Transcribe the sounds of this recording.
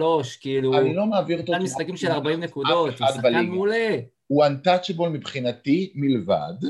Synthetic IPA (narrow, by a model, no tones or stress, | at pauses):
loʃkiiluanilo̞maːviʁot̪omisakimʃelaʁbaimnekud̪otad̪baliɡule | uant̪at͡ʃebolmipχinatimileva̰d